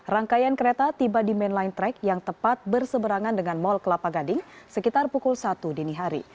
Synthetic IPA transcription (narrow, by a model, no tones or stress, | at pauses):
raŋkajankəɾet̪at̪ibadimɛnlajnt̪ɾɛkjaŋt̪əpat̪̚bərsəbəɾaŋandəŋanmɔlkəlapaɡadɪŋsəkit̪arpukulsat̪udəniɦaɾḭ